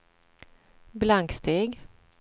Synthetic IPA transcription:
blaŋkst̪ʰeːɡ

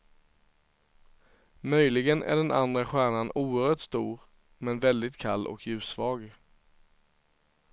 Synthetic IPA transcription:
mœjlɪɡənʔæ̰ɖɛna̰nd̪ɾaɧæːɳanʔuːəɾhœːʈst̪uːɾ | mɛnvɛld̪ɪt̪kʰalːʔɔ̰kʰjʉ̟ːsvɑːɡ

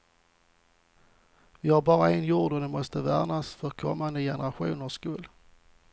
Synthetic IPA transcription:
vɪhaɾbɑːɾaɛnjuːɖɔd̪ɛmɔst̪əvæ̰ɾnasfœɾkʰɔmːand̪əjɛnəɾaɧṵːnəʂkʉːl

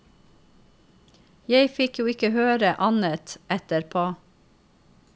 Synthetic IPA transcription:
jeɪfɪkjuːɪkəhøːɾəʔɑnət̪ɛt̪əɾpʰoː

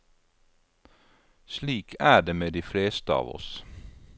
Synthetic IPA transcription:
sliːkʰæːɖeːmeːd̪iːfleːst̪əɑ̰ːʋɔ̰s

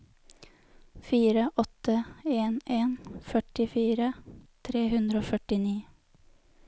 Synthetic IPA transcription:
fiːɾəʔɔt̪əeːneːnfœʈɪfiːɾət̪ʰɾeːhʉnd̪ɾəoːfœʈɪniː

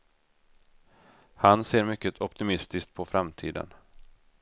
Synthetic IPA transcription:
hanseːɾmʏkːət̪ʰɔpt̪ɪmɪst̪ɪskt̪̚pʰɔfɾamt̪ʰḭːd̪ə̰n

